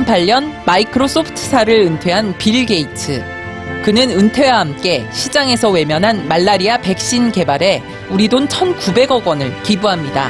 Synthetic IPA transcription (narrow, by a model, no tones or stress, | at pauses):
mpʰaʎːʌnmaikʰɯɾos͈opʰɯ̥tʰɯsʰaɾɯɭɯntʰwe̞ɦanpiɭɡe̞itʰɯ | kɯnɯnɯntʰwe̞waɦamk͈e̞ɕʰid͡ʑaŋe̞sʰʌwe̞mjʌnɦanmaɭːaɾiape̞k̚ɕ͈inke̞baɾe̞ | uɾidont͡ɕʰʌnkube̞ɡʌɡwʌnɯɭkibuɦamɲida̰